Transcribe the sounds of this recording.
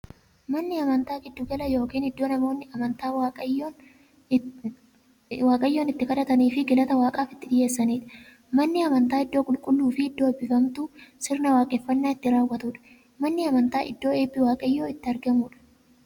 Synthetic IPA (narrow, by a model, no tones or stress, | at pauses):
mɐnːɪɐmɐnt̪aːɡɪd̪ːʊɡɐlɐjo̞ːkiːnɪd̪ːo̞ːnɐmo̞ːnːɪɐmɐnt̪aːwaː | waːkʼɐjːo̞ːnɪt̪ːɪkɐᶑɐt̪ɐniːfɪɡɪlɐt̪ɐwaːkʼaːfɪ̥t̪ːɪᶑɪje̞ːsːɐniːᶑɐ̥ | mɐnːɪɐmɐnt̪aːɪd̪ːo̞ːkʼʊlkʼʊlːuːfɪɪd̪ːo̞ːbɪfɐmt̪uːsɪɾnɐwaːkʼɛfːɐnːaːɪt̪ːɪɾaːwːɐt̪uːᶑɐ̥ | mɐnːɪɐmɐnt̪aːʔɪ̰d̪ːo̞ːeːbːɪwaːkʼɐjːo̞ːɪt̪ːɪɐɾɡɐmuːᶑɐ̥